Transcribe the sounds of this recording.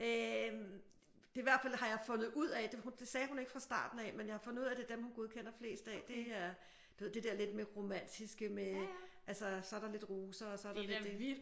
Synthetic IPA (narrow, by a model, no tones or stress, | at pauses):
ø | d̥e̝iʋæɐ̰̥fæl̰hɑ̈jɑ̈ɪfɔ̽nð̞̩ˠuð̞̰ˠɛd̥e̝hund̥e̝sɛːhune̝ɡ̥əfʁɑ̈sd̥ɑ̰̈ːd̥n̩ɛmenjɑhɑ̈fɔ̽nð̩ˠuð̰ˠæd̥e̝d̥emhunɡ̥o̝ðˠkʰen̰ɐfle̝̰ːsd̥əɛd̥e̝æɐ | d̥u̥e̝ð̰ˠd̥e̝d̥eɛɐle̝d̥meʁo̝mæn̰d̥ʰisɡ̥əmeʔælsəsɒ̽ɐɾ̥ɑ̈le̝d̥ʁuːsɐ̽ːsɒ̽æɐɾ̥ɑle̥d̥e